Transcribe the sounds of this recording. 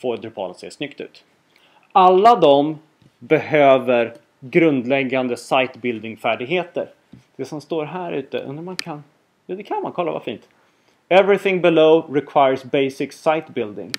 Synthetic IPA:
foːd̪ɾɪpʰɑ̰ːlət̪sḛːʂnʏkt̪ʉ̟ːt̪ | ʔalːad̪ɔm | bɛhøːvəɾ | ɡɾɵnd̪lɛɡːand̪əsajt̪bɪld̪ɪŋfæːɖɪɡɦeːt̪ə̰ɾ | d̪̥ɛsɔmst̪oːɾɦæːɾʉ̟ːt̪ə̰ʔɵ̰nːaɾmankʰanː | d̪ɛkʰanmankʰɔlːa̰va̰fḭːnt̪ | ɛvɾɪθɪ̃ŋbɪloʊɾɪkʰwajəsbɛjsɪksajt̪bɪld̪ɪ̰ŋ

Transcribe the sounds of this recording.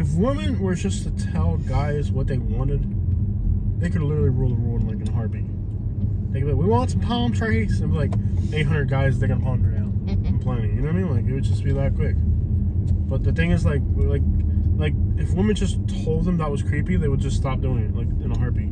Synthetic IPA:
ɨfwɪ̃mɨ̃nwə˞d͡ʒʌstʰɨtʰɛlˠɡaɪzwʌt̪̚ðeɪwɑ̃nɪd̚ | ðeɪkɨdˡlɪɾə˞l̩ˠiɹulˠðəɹul̃ˠnlaɪkɨ̃nəɦɑɹbi | eɪkwiwɑ̃nsʌ̃m̩pʰaʊ̃mtʰɹ̥ækiksnɪwʌzlaɪkeɪt̚ɦʌ̃ndɹəd̚ɡaɪzðɨɪkɨ̃nʰɑnãmpʰl̥æ̃nɪ̃ŋjɨnomĩnlaɪkɨt̚wɨd̚d͡ʒʌsb̥iðɨt̚kʰw̥ɪk | b̥ʌt̪̚ðɨθɪ̃ŋɨzlaɪk̚laɪk̚laɪk̚ɨfwɪ̃mɨ̃nd͡ʒʌstʰoʊlˠd̪̚ðə̃mðət̚wʌz̥kʰɹ̥ipiðeɪwəd̚d͡ʒʌststɑp̚d̥ʉɪ̃ŋɪt̚laɪkɨ̃nəɦɑɹbi

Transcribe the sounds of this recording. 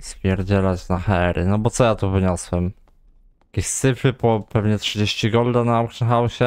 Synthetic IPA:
svʲjɛɾd͡ʑɛlat͡ɕnaxaɛɾʔɘ̰nɔbɔt̪sɔjat̪uvɘɲɔswɛm | jakʲeɕsɘfɘpɔpɛvɲɛtʂɘd͡ʑeɕt͡ɕiɡɔld̪anaɔwkʂɛnxawɕɛ

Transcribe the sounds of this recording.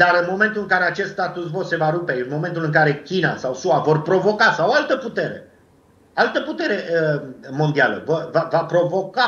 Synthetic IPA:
d̪aɾɨnmo̞me̞nt̪ulɨŋkaɾe̞at͡ʃe̞st̪st̪at̪usvo̞t̪se̞vaɾupe̞ɨnmo̞me̞nt̪ulɨŋkaɾe̞kʲina̰sawsuavo̞rpɾo̞vo̞kasawoalt̪əput̪e̞ɾe̞̰ | alt̪əput̪e̞ɾe̞əmo̞nd̪ialə̰vorvavapɾo̞vo̞ka

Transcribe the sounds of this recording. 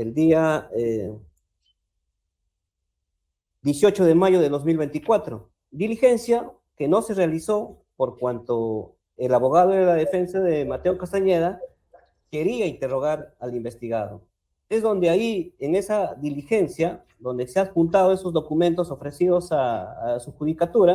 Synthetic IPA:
eld̪iae | d̪jesjo̞t͡ʃo̞ðe̞maʝo̞ðe̞ld̪o̞zmilβe̞nt̪ikwat̪ɾo̞ | d̪ilixe̞nsja | ke̞no̞se̞realiso̞ | po̞ɾkwant̪o̞ | elaβo̞ɣaðoeɾlaðe̞fe̞nsaðe̞mat̪e̞okast̪aɲe̞ða | ke̞ɾiaint̪e̞ro̞ɣaɾalimbe̞st̪iɣaðo̞̰ | e̞zðo̞nd̪e̞aieŋe̞saðilixe̞nsja | ðo̞nd̪e̞seapunt̪aðoe̞sozðo̞kument̪o̞so̞fɾe̞siðo̞sasuxuðikat̪uɾa

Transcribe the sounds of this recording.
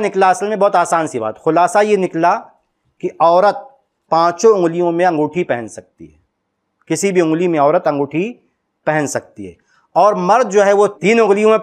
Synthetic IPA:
nɪklaɐsəlmẽbɔːt̪aːsaːnsiba̰ːt̪xʊlaːsajenɪkla | kiɔːɾət̪̚ | pãːt͡ʃõʊ̃ŋɡlijõmẽɐ̃ŋɡuːʈʰipɛɦɛ̃nsɐk̚t̪ḭɦɛː | kɪsibʱiʊ̃ŋɡlimẽɔːɾət̪ɐ̃ŋɡoːʈʰi | pɛɦɛ̃nsɐk̚t̪iɦɛ̰ː | ɔːɾmɐɾd̪̚d͡ʒoːɦɛʋot̪iːnʊɣlijõmẽ

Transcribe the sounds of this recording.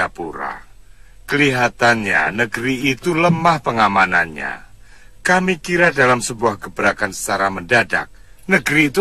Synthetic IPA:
apuɾa̰ | kəliɦat̪anɲa̰nəɡɾiit̪uləmahpəŋamananɲa̰ | kamikiɾadalamsəbuahɡəbəɾakansə̥t͡ʃaɾaməndada̰k̚ | nəɡɾiːt̪u

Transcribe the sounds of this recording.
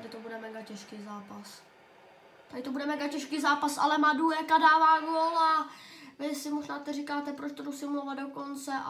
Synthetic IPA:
t̪adɪt̪obudɛmɛɡacɛʃkiːzaːpas | t̪adɪt̪obudɛmɛɡacɛʃkiːzaːpasa̰lɛmadujɛkadaːvaːɡolavɪsɪmoʒnaːt̪ɛrikaːt̪ɛpɾot͡ʃt̪odusɪmulovadoko̞nt͡sɛʔa̰

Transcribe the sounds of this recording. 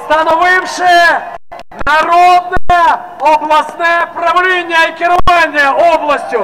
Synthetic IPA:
st̪ɐnɐvɪwʂɨj | nɐɾod̪̚nɨjə | ɐblˠɐsnɨjəpɾɐvlʲenʲɪjɐikʲɪrlˠanʲdʲɪjəoblˠɐsʲtʲʊ

